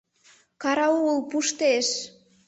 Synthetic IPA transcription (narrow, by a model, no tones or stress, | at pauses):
kɑɾɑuɣəlˠpuʃt̪eʃ